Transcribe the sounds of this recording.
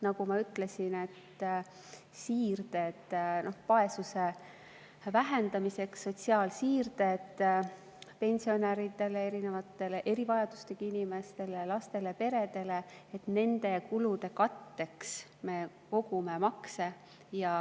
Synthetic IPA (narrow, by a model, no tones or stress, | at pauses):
nɑɡumɑyt̪ːˑle̞sine̞t̪ː | siːrd̪̥e̞t̪ːno̞hpɑe̞suse̞ | væɦe̞nd̪̥ɑmise̞ksːo̞t̪ʲsiɑːlsiːrd̪et̪ | pe̞nʲsio̞næɾit̪e̞lee̞ɾine̞vɑt̪ːˑe̞leʔe̞ɾivɑjɑd̪ust̪ekɑinʲime̞st̪e̞lelɑst̪e̞lepe̞ɾe̞d̪e̞leet̪ne̞nd̪e̞kulud̪e̞kɑt̪ːe̞ks | me̞ | ko̞ɡume̞mɑkse̞ | jɑ